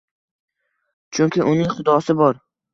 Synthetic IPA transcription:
t͡ʃʰʊŋkʲɪʔʊnɪŋχʊd̪ɒsɪbɒɾ

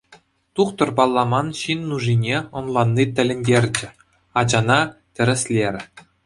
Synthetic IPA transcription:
t̪uχt̪ɤ̆rbɑlˠːɑmɑnɕinːuʐinʲeŏnlˠɑnːit̪ʲɘ̆lʲɘ̆nʲdʲerʲd͡ʑɘ̆ | ɑd͡ʑɑnɑt̪ʲɘ̆ɾʲɘ̆sʲlʲeɾʲ

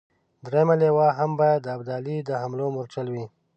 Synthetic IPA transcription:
d̪ɾejmalewɑɦambɑjad̪ːəːbd̪ɑlid̪əɦamlomʊɾt͡ʃəlwi

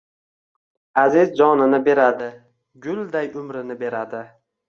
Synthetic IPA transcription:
azɪzd͡ʒɒnɪnɪbe̞ɾad̪ɪ | ɡʲʊlˠd̪ajʊmɾɪnɪbe̞ɾad̪ɪ

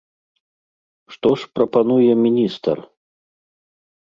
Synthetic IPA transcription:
ʂt̪ɔʂpɾɐpanujɛmʲinʲist̪ɐ̰r

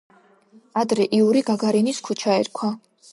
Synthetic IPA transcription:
ad̪ɾɛʔiuɾiɡaɡaɾiniskʰut͡ʃʰaɛ̰ɾkʰwa

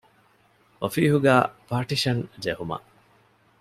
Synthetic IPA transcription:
ofiːɦuɡæːpaːɾʈiʃɐnd͡ʒeɦumɐ̰ʔ

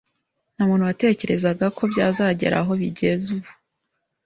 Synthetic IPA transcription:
namuːn̥huwate̞ːce̞ɾe̞zaɡakʰo̞bjaːzaːɟe̞̰ɾa̰ɦo̞βiɟezuβu

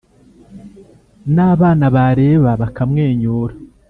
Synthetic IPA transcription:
naːβaːnaβaɾe̞ːβaβakamŋe̞ːɲoɾa

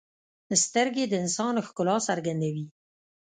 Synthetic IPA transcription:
əst̪əɾɡed̪əɪnsɑnxkʊlɑsaɾɡand̪awi

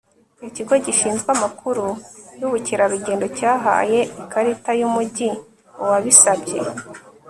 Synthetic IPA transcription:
ociɡo̞ɟiʃiːnzɡwamakʰuɾujuβuciɾaɾuɟe̞ːndo̞caːɦa̰je̞ikaɾitajumuɟi | owaβisabɟe̞̰

